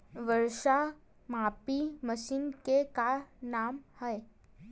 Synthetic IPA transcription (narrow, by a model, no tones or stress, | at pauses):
ʋəɾʂa | mapiməɕiːnkekanamhəj